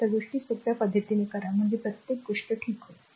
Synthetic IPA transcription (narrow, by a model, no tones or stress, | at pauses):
aɡoʂʈiːsʋəɾt̪japəd̪ʱjət̪inekəɾam̤əɳd͡zepɾət̪jek̚ɡoʂʈəʈʰiːkɦoj